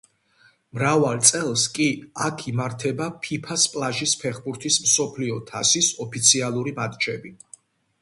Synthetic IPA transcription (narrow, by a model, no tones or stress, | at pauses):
mɾavalˠt̪sʼɛlˠskʼiakʰimaɾt̪ʰɛbapʰipʰaspʼlˠaʒispʰɛχbuɾt̪ʰismsɔpʰliɔt̪ʰasisɔpʰit̪sʰialˠuɾimat̪ʼt͡ʃʰɛbi